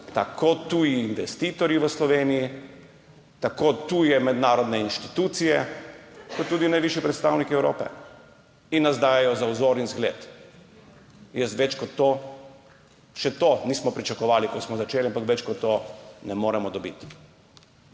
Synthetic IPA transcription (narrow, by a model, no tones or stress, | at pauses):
t̪a̰kʰot̪ujiːnʋɛst̪iːt̪ɔɾjiʋəslɔʋeːniji | t̪akoːt̪ujɛmɛd̪naːɾɔd̪nɛinʃt̪it̪uːt̪sijɛ | kɔt̪ːuːd̪inajʋiʃipɾɛt̪st̪awnikiɛwɾo̰ːpɛ̰ | inːazd̪aːjɛjɔzawzoːɾinzɡlḛːt̪ | jɛsʋɛt͡ʃkɔt̪ːo | ʃɛt̪oniːsmɔpɾit͡ʃakɔʋaːlikɔt̪smɔzat͡ʃeːliampakʋɛt͡ʃkɔt̪ːonɛmoːɾɛmɔd̪ɔbḭt̪